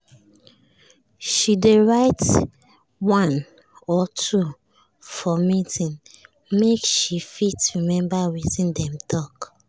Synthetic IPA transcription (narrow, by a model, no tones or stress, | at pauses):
ʃideɹaɪt | wãn | ɔtʰu | fɔmitĩn | mekʃifitɹimɛ̃mbawitĩndɛ̃mtʰɔk